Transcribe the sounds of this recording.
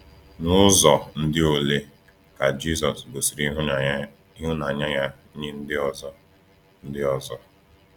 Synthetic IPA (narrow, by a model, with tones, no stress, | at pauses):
nʊ˦zɔ˨n̩˦dɪ˦o˨le˦ | ka˨d͡ʒi˦zɔ˨sbo˨si˨ɾi˦ɦʊ˦˨˦ | i˦ɦʊ˦na˨ɲa˦ja˦ | ɲe˦n̩˦dɪ˦ɔ˦zɔ˦ | n̩˦dɪ˦ɔ˨zɔ˦